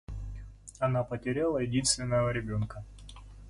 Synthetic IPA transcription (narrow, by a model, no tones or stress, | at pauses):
ɐnapətʲɪɾʲalˠəjɪdʲinst̪vʲɪnːəvəɾʲɪbʲo̞nkə